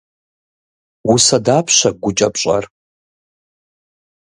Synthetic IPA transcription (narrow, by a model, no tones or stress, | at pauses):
wusɐdaːpʰɕɐɡʷʊt͡ʃʼɐpɕʼɐ̰r